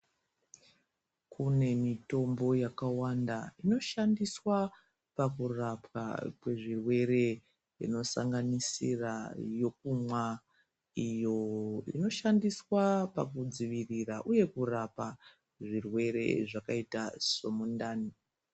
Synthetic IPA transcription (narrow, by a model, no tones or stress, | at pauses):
kʰune̞mito̞mbo̞jakawandaino̞ʃandiswa | pakurapwa̰kwe̞ʐirwe̞re̞ | ḭno̞sa̰ŋɡanisirajo̞kumwa | ijo̞ḭno̞ʃandiswapa̰kud͡ziʋiriraʔuje̞kurapa | ʐirwe̞ɾe̞̰ʐakaitaso̞mundaːni